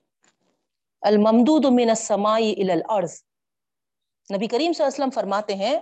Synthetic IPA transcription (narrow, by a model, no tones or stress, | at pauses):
ɐlmɐmd̪uːd̪mɪnɐsːɐmaːiʔɪlaːlʔɐɾz | nɐbikɐɾiːmsɐlːaːsəlːəmfɐɾmaːt̪eɦɛ̃ː